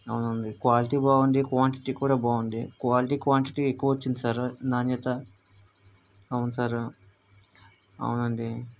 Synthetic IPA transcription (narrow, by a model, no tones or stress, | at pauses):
ɐwunɐnd̪ikʋaːliʈiːbaːuɳɖikʋaːɳʈi̥ʈikuːɽaːbaːuɳɖikʋaːliʈiːkʋaːɳʈiʈiekːuʋɐʋot͡ʃːind̪isaɾnaːnjɐt̪ɐ | ɐwunsaɾ | ɐ̰wunɐɳɖi